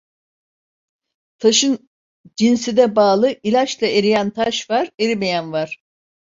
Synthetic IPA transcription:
t̪ʰaʃɯn | d͡ʒinsid̪ɛbaːlˠɯʔilʲat͡ʃlˠae̞ɾijænt̪ʰaʃvaɾeɾimejænvaɾ̥

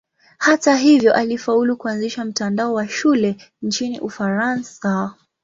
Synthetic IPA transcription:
hataɦivjɔʔalifaulukuanziʃam̩tandaɔwaʃulɛ | nt͡ʃiniʔufaɾansa

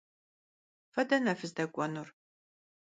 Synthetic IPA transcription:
fɐdɐnɐfɨzdɐkʷʼɔnur

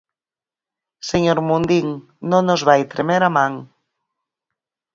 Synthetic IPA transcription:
seɲoɾmund̪iŋ | nõŋnozβajt̪ɾemeɾamãŋ

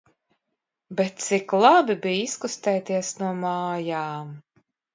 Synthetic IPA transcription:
bet̪̚t̪siklˠabibijiskust̪ɛjt̪iɛsnuɔmaːjaːm

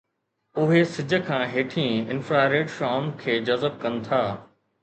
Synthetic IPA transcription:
ʊɦesɪd͡ʑʱə̆kʰãːɦeːʈʰĩːɪnfɾaːɾeːɖʃaːmkʰeːd͡ʑɐzəb̚kɐnɪ̆t̪ʰaː

